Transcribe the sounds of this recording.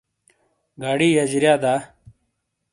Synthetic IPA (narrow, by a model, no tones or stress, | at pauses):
ɡaːɽiːjɐd͡ʑɾjaːd̪aː